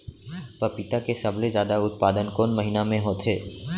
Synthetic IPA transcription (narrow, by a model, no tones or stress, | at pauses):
pɐpɪt̪akesɐblezjaːd̪aʊt̪̚paːd̪ənkoːnmɐɦinamẽɦoːt̪ɦeː